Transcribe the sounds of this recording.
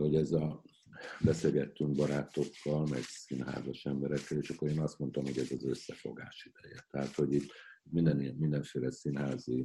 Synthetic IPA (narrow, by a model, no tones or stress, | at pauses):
ho̞ɟɛzɒ | bɛseːlɡɛt̪ːyŋɡ̚bɒɾaːt̪o̞kːɒlmɛɡsinɦa̰ːzɒʃɛmbɛɾɛkːɛleːʃɒkːo̞ɾeːnɒst̪mo̞nt̪omho̞ɟɛzɒzøsːɛfo̞̰ɡa̰ːʃid̪̥ɛjɛt̪ɛɦaːt̪ho̞ɟit̪ːmind̪ɛnmind̪ɛɱfeːlɛsinɦaːzi